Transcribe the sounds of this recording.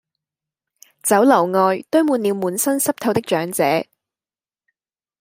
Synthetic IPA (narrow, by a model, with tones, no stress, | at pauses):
t͡sɐ˨˥wlɐ˨˩wŋɔː˧jt̪ɵ˥ɥmuː˨˧nliː˨˧wmuː˨˧nsɐ˥nsɐ˥p̚t̪ʰɐ˧wt̪ɪ˥k̚t͡ʃœː˨˥ŋt͡sɛ̰ː˨˥